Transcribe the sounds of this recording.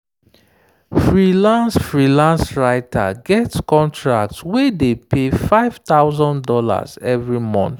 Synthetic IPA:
fɹilãnsfɹilãnsɹaɪtʰa̰ɡɛtskɔ̃ntʰɹa̰k̚tswedepʰefaɪv̥t̪aʊzɔ̃ndɔla̰zɛvɹimɔ̰̃nθ

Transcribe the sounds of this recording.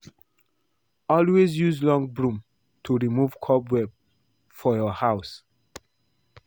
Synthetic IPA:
ɔlwezjuzlɔ̃ŋɡbɹũm | tʰuɹimuv̥kʰɔbwɛb̚ | fɔjɔhaʊs

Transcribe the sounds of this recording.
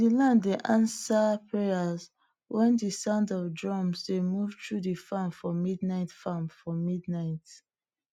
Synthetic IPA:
dilãndeʔãnsapʰeaz | wɛ̃ndisãʊ̃ndɔvdɹɔ̃msdemuvtʰɹuðəfamfɔmidnaɪtfamfɔmidnaɪt

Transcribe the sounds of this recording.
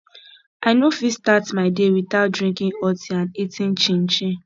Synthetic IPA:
aɪnofistatmaɪdewiθat̚dɹĩŋkĩŋɔtiãnitʰĩŋt͡ʃĩn̩t͡ʃĩ

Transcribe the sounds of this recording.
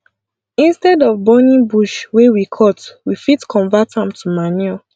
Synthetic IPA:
ĩnstɛdɔvbɔnĩŋbuʃwewikʰɔtwifitkʰɔ̃ɱvathãmtʰuman

